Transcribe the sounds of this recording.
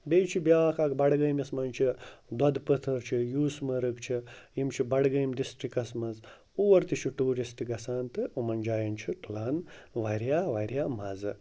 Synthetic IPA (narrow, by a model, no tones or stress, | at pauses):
beːt͡ʃʰibjaːkɐkbɐɽɡɐjmjɐsmɐnt͡ʃʰid̪ɐd̪pət̪ʰɐɾt͡ʃʰijuːsmɐɾɨkt͡ʃʰijimt͡ʃʰibɐɽɡɐjmɖisʈɾikɐsmɐz | uwɐɾt̪it͡ʃʰiʈuːɾisʈɨɡɐsaːnt̪ɨumɐnʲd͡ʒaːjɐnt͡ʃʰit̪ʰulaːnʋaɾjaːʋaɾjaːmɐzɨ